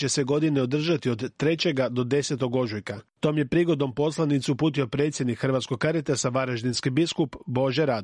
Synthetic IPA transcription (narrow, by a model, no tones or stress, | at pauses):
t͡ɕe̞se̞ɡo̞d̪ine̞o̞d̪r̩ʒat̪io̞d̪t̪ːɾe̞t͡ɕe̞ɡad̪o̞d̪e̞se̞t̪o̞ɡo̞ʒujkat̪oːmje̞pɾiɡo̞d̪no̞mpo̞slˠanit̪suupuːt̪io̞pɾe̞ːt̪sje̞d̪nikxrʋat̪sko̞ɡkaɾet̪asaʋaɾaʒd̪inskibiskupbo̞ʒeɾaːd̪